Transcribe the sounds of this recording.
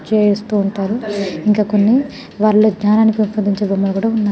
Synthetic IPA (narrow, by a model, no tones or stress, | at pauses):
t͡ʃeːjst̪uːɳʈaːɾuiŋkaːkonːi | ʋaːɾlod͡ʒɲaːnaːnikiupːɐnd̪iɲt͡ʃebɐmːɐlɐkuːɽaːunːa